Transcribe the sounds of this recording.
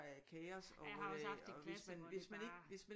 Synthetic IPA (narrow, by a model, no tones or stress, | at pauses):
ækʰɛːɐsɒ̥ɒʋesmænʋe̝smæne̝ɡ̥ʋe̝smæ